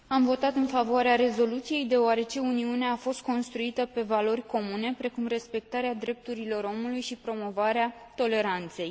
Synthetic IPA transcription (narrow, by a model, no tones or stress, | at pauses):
amvo̞t̪at̪ɨnfavoaɾeaɾe̞zo̞lut̪sije̞jd̪e̞oaɾe̞t͡ʃe̞uniuneeafo̞st̪̚ko̞nst̪ɾuit̪əpe̞valo̞rʲko̞mune̞pɾe̞kumre̞spe̞k̚t̪aɾead̪ɾe̞p̚t̪uɾilo̞ɾo̞mulujʃipɾo̞mo̞vaɾeat̪o̞le̞ɾant̪se̞j